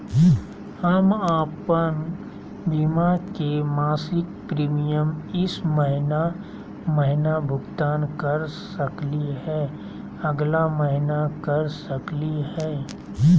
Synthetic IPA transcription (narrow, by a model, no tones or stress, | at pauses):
hɐmaːpən | bimakemaːsɪk̚pɾiːmijəmɪsməɦɪna | mɐɦɪnabʱʊɡt̪aːnkɐəɾsəkliɦɛː | ɐɡlaməɦɪnakɐɾsəklihɛː